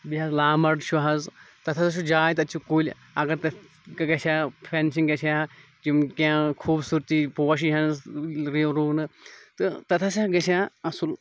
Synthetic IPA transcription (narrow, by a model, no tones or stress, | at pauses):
biɦɐzlaːmɐɖʃʰuɦɐz | t̪ɐt̪ʰɐsɐʃud͡ʒaːjt̪ɐt̪t͡ʃʰukulʲ | ɐɡɐɾt̪ɐ | kɐɡɐsʲaːpʰensiŋɡɐt͡ʃʰa | d͡ʒimkãːkʰuːbsuɾt̪ipoːɐʃ̬iɦɐnsɾiɾuːnɨt̪ɨt̪ɐt̪ʰɐs̬aːɡɐʃʰaːɐsul